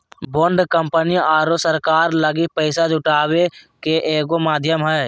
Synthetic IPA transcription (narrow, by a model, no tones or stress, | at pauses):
boːɳɖkəmpəniaːɾosəɾkaːɾləɡipəɪsad͡ʒʱʊʈaːwekeʔeːɡomaːd̪ʱjəmɦɛː